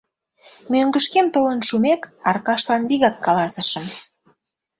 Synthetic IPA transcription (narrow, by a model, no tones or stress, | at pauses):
møŋɡəʃkemt̪olənʃumekɑrkɑʃlɑnliɣɑkːɑlɑsə̆ʃə̆m